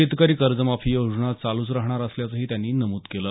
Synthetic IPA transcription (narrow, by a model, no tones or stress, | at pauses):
it̪kaɾiːkəɾd͡zəmafʰijod͡zɳat͡saluːt͡sɾaɦɳ̃aɾəsljat͡səɦiːt̪janːiːnəmuːt̪kelə